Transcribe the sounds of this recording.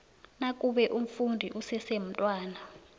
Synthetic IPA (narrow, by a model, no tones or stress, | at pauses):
nak̬ʼuɓɛʔum̩fundʱiʔusɛsem̩tʼwaːna